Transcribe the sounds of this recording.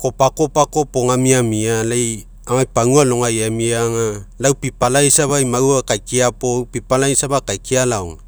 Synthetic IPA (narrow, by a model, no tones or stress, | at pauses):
ko̞pako̞pako̞poŋamiamialaj | amajpaŋualoŋajamiaŋalawpipalajsaβajmaɾuakajkiapowpipalajsaβakajkialawŋ